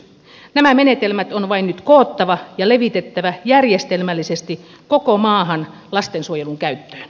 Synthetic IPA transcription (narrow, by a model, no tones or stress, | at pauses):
næmæmenet̪elmæt̪onʋɑinnyt̪koːt̪ːɑʋɑjɑleʋit̪et̪ːæʋæjærjest̪elmælːisest̪i | kokomɑːɦɑn | lɑst̪ensuojeluŋkæyt̪ːø̥ːn